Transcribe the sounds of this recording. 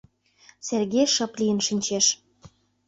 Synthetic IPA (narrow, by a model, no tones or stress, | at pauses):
serɣeʃɤ̆plijənʃinʲt͡ɕeʃ